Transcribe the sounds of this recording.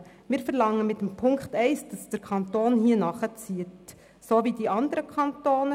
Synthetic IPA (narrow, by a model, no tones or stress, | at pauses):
mɪːɾfəɾlɑŋːəmɪtːəmpʰʊŋkχtɛɪsd̥ɑsd̥əɾkʰɑntoːnhiənɑχət͡siət | soːʋidiʔɑnd̪əɾəkʰχɑntoːnə